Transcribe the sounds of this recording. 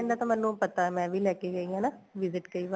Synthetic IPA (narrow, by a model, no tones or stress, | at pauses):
nd̪aːt̪ãmɛlũːpɐt̪aːmɛ̃ːʋʱiːlɛːkeɡəiɦãːnaʋɪzɪʈkəiːʋa